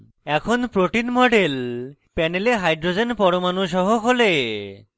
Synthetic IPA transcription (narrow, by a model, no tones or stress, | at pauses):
ɛkʰonpɾoʈinmɔɖel | pɛneleɦajɖɾod͡ʑenpɔɾomanuʃɔɦokole